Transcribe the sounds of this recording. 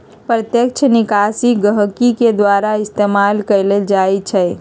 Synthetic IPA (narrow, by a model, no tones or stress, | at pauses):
pɾət̪jək̚t͡ʃʰnikasiɡəɦkiked̪waɾaɪst̪emalkəɾleld͡ʒajt͡ʃʰɛ